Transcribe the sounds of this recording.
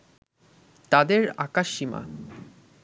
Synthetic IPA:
t̪ad̪eɾa̰kaʃima̰

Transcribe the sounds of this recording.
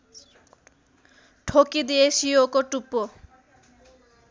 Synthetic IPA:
ʈʰokid̪ieʃiokoʈupːo

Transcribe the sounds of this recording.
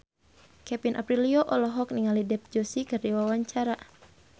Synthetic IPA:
kɛpinʔa̰pɾiliɔʔɔlɔɦɔk̚niŋalidɛp̚d͡ʒɔsikɨrdiwawaɲt͡ʃaɾa

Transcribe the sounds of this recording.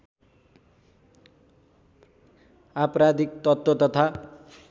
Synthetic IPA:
apɾad̪ik̚t̪ʌt̪wot̪ʌt̪ʰa

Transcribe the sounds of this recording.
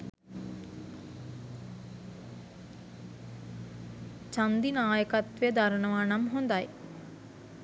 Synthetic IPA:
t͡ʃand̪inaːjəkat̪ʋejəd̪aɾəɳəʋaːnamɦond̪aj

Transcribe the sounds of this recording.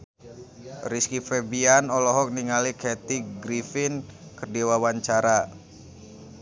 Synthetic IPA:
riskifɛbianɔlɔɦɔk̚niŋalikɛt̪iɡɾifinkərdiwawaɲt͡ʃaɾa

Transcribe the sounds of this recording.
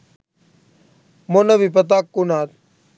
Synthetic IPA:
moːnəbip̬ət̪̬aːkːunaːt̪̚

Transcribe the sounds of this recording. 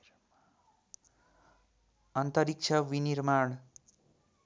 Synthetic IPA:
ʌnt̪ʌɾik̚t͡ʃʰʌwinirmaɳ

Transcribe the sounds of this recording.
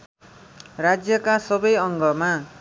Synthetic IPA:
rad͡zjʌkasʌbʌjʌŋɡʌma

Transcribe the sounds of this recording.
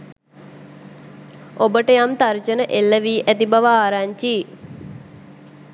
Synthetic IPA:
obəʈəjamt̪aɾt͡ʃənəʔelːəʋiːʔæt̪ibaʋaaːɾaɲt͡ʃiː

